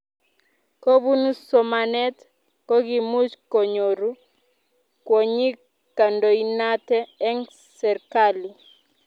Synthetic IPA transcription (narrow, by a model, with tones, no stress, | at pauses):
ko˦bu˦nu˦sɔ˨ma˨nɛ˦t | kɔ˦ɡi˨mu˦t͡ʃko˨ɲo˨ɾu˦ | kwo˨ɲi˦ | ka˨ndo˨i˦na˦tɛː˦ŋ | sɛ˨rka˦li˨